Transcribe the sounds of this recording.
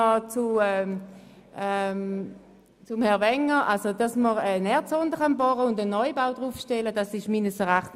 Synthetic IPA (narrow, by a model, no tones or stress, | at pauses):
ɔt͡suɛ | ɛm | t͡sʊmhɛɐvɛŋːəʁʔalsodɑsməʁɛnɛɐtt͡sɔndəχɑnbɔʁəʊndənɔjbawd̥ʁufʃtɛləd̥ɑsɪʃmiːnəsəʁaχt